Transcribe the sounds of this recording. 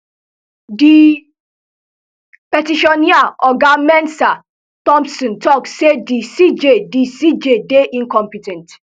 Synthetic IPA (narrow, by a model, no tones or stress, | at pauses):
di | pɛtiʃɔniaɔɡamɛ̃ntsa | tɔ̃mpsɔ̃ntɔkssedisid͡ʒedisid͡ʒedeʔĩnkɔ̃mpitɛ̃nt